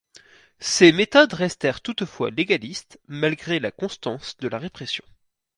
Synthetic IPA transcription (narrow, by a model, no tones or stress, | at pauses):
semet̪ɔd̪ʁɛst̪ɛʁt̪ut̪fwa̰leɡʲalist̪malɡʁelakɔ̃st̪ɑ̃sd̪əlaʁepχesjɔ̰̃